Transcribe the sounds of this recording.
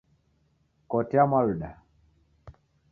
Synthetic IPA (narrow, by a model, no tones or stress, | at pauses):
kɔtɛamaluɗa